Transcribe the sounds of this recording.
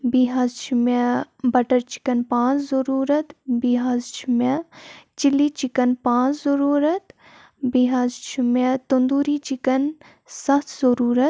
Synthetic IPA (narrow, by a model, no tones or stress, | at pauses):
biɦaːzt͡ʃʰimebɐʈəɾt͡ʃi̥kɐnpãːt͡ʃzɐɾuːɾɐt̪biɦaːzt͡ʃʰimet͡ʃilːit͡ʃikɐnpãːt͡ʃzɐɾuːɾɐt̪ | biɦazt͡ʃʰimet̪und̪uːɾit͡ʃikɐn | sɐt̪ʰzɐɾuːɾɐt̪